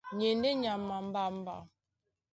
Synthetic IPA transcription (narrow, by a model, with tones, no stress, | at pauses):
ɲe˨n˦de˦ɲa˨mːa˨m̩˦ba˨m̩˦ba̰˨